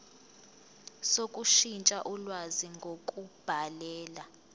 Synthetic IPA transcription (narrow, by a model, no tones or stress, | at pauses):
sokʼuʃint͡ʃʼaʔulwaziŋɡʱokʼub̥ʱalɛːla